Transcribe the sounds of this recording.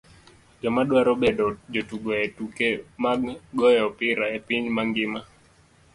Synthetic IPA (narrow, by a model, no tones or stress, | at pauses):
d͡ʒɔmaɗwaɾɔbɛɗɔd͡ʒɔtuɡɔetukemaɡɡɔjɛɔpɪɾaepiɲmaŋɡɪma